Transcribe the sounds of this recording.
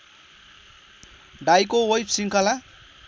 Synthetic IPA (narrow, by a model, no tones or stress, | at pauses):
ɖajkowojpsiŋkʌla